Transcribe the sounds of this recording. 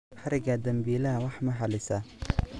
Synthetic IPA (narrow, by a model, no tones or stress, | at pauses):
ħɑɾɪɡɐd̪ɐmbiːlɐɦɐwɑħmɐħɑlɪsɐ